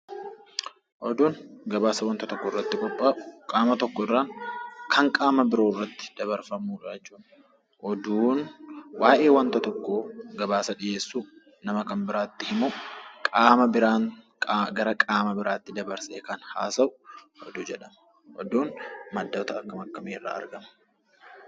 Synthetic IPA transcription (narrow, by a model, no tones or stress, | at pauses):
ʔɔd̪uːnɡɐbaːsɐwɐnt̪ɐt̪ɔkːɔɪrːɐt̪ːɪkʼɔpʼːaːʊ̥kʼaːmɐt̪ɔkːɔɪrːaːŋkʰɐŋkʼaːmɐbɪɾo̞ːrːɐt̪ːɪ̥d̪̥ɐβɐɾfɐmuːᶑɐt͡ʃːuːᶑ | ʔɔd̪uːnwaːʔe̞ːwɐnt̪ɐt̪ɔkːoːɡɐbaːsɐᶑɪjeːsːuː | nɐmɐkɐmbɪɾaːt̪ːɪhɪmukʼaːmɐbɪɾaːŋ | ɡɐɾɐkʼaːmɐbɪɾaːt̪ːɪd̪ɐbɐɾsḛːkɐnha̰ːsɐʔʊ | ɔ̰d̪ʊd͡ʒɛᶑɐm | hɔd̪uːnmɐd̪ːɐt̪ɐɐkːɐmɐkːɐmeːrːa̰ːɐ̰ɾɡɐmɐ̥